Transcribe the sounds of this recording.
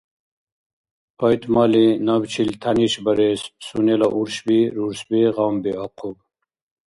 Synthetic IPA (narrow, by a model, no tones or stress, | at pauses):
pɐjt̪mɑːlinɐbt͡ɕʰilt̪ʰɐniɕbɐɾesːunelaʔuɾɕbiɾuɾsbiʁambiaqʰub